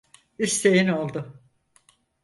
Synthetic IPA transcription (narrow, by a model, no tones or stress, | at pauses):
ist̪ejino̞lˠd̪ʊ